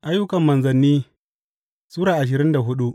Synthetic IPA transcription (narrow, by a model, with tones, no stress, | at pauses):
ʔa˦jːʊ˦kɐ˨mːɐ˨nzɐ˨nːiː˦ | suː˦ɾaː˨ʔa˨ʃ̬ɪ˨ɾɪ˦nda˨ɦʊ˦ɗu˦ʔ